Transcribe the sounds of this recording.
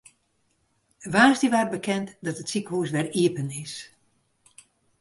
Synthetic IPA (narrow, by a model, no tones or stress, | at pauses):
ʋaːsdiʋaːr̚bəkʰɛntdɔtətsikhuːsʋɛriəpənɪs